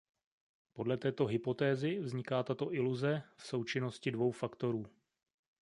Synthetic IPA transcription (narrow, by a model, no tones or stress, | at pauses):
po̞dlɛt̪ɛːt̪o̞ɦɪpo̞t̪ɛːzɪvzɲɪkaːt̪at̪o̞ʔɪluzɛfso̞wt͡ʃɪno̞scɪdvo̞wfakt̪o̞ɾuː